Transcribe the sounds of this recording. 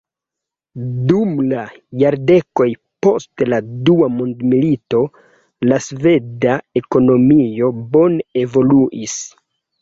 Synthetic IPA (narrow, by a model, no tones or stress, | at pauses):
dumla | jaɾde̞ko̞jpo̞stladuamondmilito̞ | lasve̞dae̞ko̞no̞mio̞bo̞ne̞vo̞luʔis